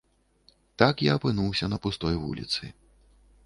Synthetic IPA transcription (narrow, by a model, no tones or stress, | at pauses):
t̪akjaɐpɨnuwsʲɐnɐpust̪ɔjvṵlʲḭt̪sɨ̰